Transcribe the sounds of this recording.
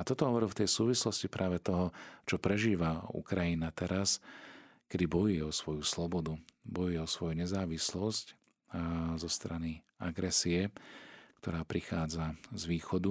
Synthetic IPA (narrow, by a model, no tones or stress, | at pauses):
at̪ɔt̪ɔɦɔʋɔɾilft̪ɛjsuːʋislɔscipɾʔaːʋɛt̪ɔɦɔt͡ʃɔpɾɛʒiːʋaṵkɾajinat̪ɛɾas | kɛd̪ibɔjujɛɔsʋɔjuslɔbɔd̪ubɔjujɛɔsʋɔjuɲɛzaːʋislɔsc | zɔst̪ɾani | aɡɾɛsiɛkt̪ɔɾaːpɾixaːd͡zazʋiːxɔd̪u